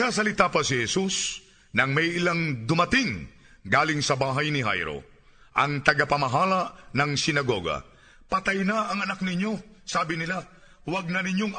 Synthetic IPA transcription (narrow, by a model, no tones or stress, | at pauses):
ŋas̬ɐlɪt̪aːpɐsɪhɛsus | nɐŋmɐjʔɪlaŋd̪ʊmɐt̪ɪŋ | ɡaːlɪŋsɐbaːɦajnɪɦa̰jɾo̞̰ | ʔɐŋt̪ɐɡapɐmɐɦaːlanɐŋsɪnɐɡoɡa̰ | pɐt̪ajnaʔɐŋɐnak̚nɪɲːo̞ | saːbɪnɪla | waɡ̚nɐnɪɲjoŋ